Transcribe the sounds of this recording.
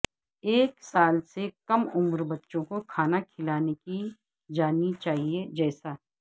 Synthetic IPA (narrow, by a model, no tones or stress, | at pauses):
eːksaːlsekɐmʊmɾbɐtːʃõkokʰaːnakʰɪlaːneki | d͡ʒaːnit͡ʃaːɦied͡ʒɛːsaː